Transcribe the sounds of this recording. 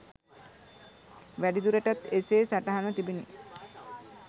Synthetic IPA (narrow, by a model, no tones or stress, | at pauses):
ʋæɖid̪uɾəʈat̪eseːsaʈaɦanət̪ibini